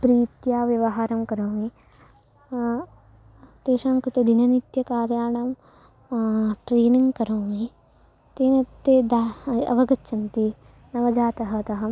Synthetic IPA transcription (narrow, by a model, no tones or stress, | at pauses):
pɾiːt̪jaːʋjɐʋɐɦaːɾɐmkɐɾoːmi | t̪eːʃaːŋkɾit̪ed̪ʱinɐnit̪jɐkaːɾjaːɳɐm | ʈɾeːniŋɡkɐɾoːmi | t̪eːnɐt̪ːeːd̪aːɐ̰ʋɐɡɐtːʃʰɐnt̪i | nɐʋɐd͡ʒaːt̪ɐɦɐ̆t̪ɐɦɐm